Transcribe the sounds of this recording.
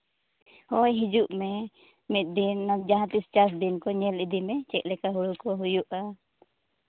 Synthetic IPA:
hɔjɦid͡ʒuʔmɛ | mit̪̚d̪inːad͡ʒaɦãt̪ist͡ʃas̬d̪inkɔɲɛlid̪imɛt͡ʃɛklɛkaɦuɽukɔɦujuʔa

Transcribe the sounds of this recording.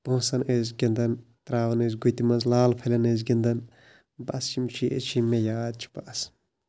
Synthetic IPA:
b̥õːsɐnʔezʲɡʲɐnd̪ɐnt̪ɾaːʋɐnezɡut̪imɐnzlaːlpʰɐlʲɐnezɡʲɐnd̪ɐn | bɐst͡ʃimt͡ʃʰiḛt͡ʃʰimejaːd̪̚t͡ʃʰi̥bɐs

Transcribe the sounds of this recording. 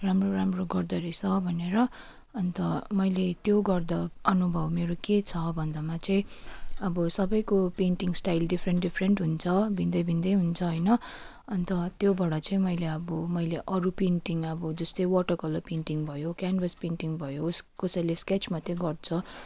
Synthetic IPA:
ramroɾamroɡʌrd̪ʌɾisʌbʱʌneɾʌ | ʌnt̪ʌmʌjlet̪joɡʌrd̪ʌʌnubʱʌwmeɾoket͡sʰʌbʱʌnd̪amat͡sʌ̃ĩʌbʌsʌbʌjkopenʈiŋsʈajlɖipʰreɳɖipʰreɳʈɦunt͡sʰʌbʱind̪ʌjbʱind̪ʌjɦunt͡sʰʌɦʌjnʌ | ʌnt̪ʌt̪jobʌɽʌt͡sʌĩmʌjleʌbʌmʌjleʔʌɾupenʈiŋʌbʌd͡zʌst̪ʌjwʌʈʌkʌlopenʈiŋbʱʌjokjanbʱʌspenʈiŋbʱʌjoskʌsʌlesket͡smat̪joɡʌrt͡sʰʌ

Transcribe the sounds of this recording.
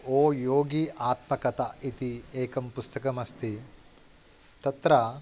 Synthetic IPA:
oːjoːɡiʔaːt̪mɐkɐt̪ɐit̪ieːkɐmpust̪ɐkɐmɐst̪i | t̪ɐt̪ɾɐ

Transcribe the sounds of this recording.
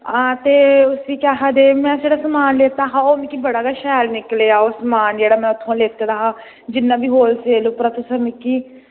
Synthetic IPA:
ãːt̪eːʊsiːkaːɦaːd̪eːmɛ̃ːseːɽaːsəmaːnleːt̪aːɦaːoːnːkiːbəɽaːɡaʃɛːlnɪkleːaːoːsəmaːnd͡ʒeːɽaːmɛ̃ːʊt̪ʰːõːleːt̪ad̪aːɦaː | d͡ʒɪnːãːbiːɦoːlseːlupɾaːt̪ʊsəɾmɪkːiː

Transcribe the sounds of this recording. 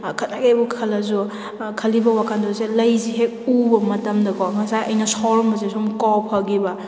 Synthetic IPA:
kʰɐtakebukʰɐlɐzu | kʰɐlibɐwakʰandɔselɐjziɦek̚ubɐmɐtɐmdɐkɔŋɐsajʔɐjnɐsɔɾɔmbɐzesumkɔpʰɐɡibɐ

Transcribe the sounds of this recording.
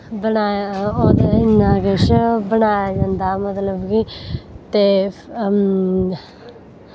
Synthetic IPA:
bənaːjaod̪eɪnːaːɡeʃbənaːjad͡ʒand̪aːmət̪ləbkit̪eː

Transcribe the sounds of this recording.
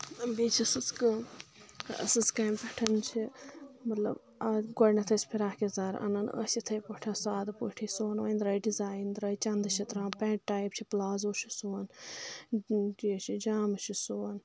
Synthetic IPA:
biːt͡ʃʰɐsɨskɨ | ɐ̰sɨskaːmpɐʈʰɐnt͡ʃʰimɐt̪lɐ̰b | aɡɔɽnɐt̪ʰɐsʲpʰiɾaːkizaːɾʔɐ̰nɐnɐ̰sit̪ʰɐjpoʈʰɐːsaːd̪poʈʰisoːnʋa̰jnd̪ɾɐjɖizaːjnd̪ɾɐjt͡ʃɐnd̪ɨʃʰɐt̪ɾãːpɛːʈʈaːjp̚t͡ʃʰiplaːzoːʃʰi̥soːn | d͡ʒiʃid͡ʒaːmɐt͡ʃʰisoːn

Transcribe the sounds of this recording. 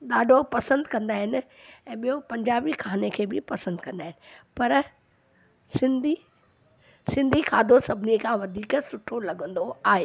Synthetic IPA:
ɗ̪aːɖʱopɐsə̃nd̪kɐ̃nd̪aːɦɪnɪ̆ | ɛ̃ːɓijopɐ̃ɲd͡ʑaːbikʰaːnekʰeːbɪpɐsə̃nd̪kɐ̃nd̪aːɦɪnɪ̆pɐɾ | sɪ̃nd̪ʱi | sɪ̃nd̪ʱikʰaːd̪ʱosɐbʱɪnikʰãʋɐd̪ʱiːksʊʈʰolɐɡə̃nd̪oaːɦeː

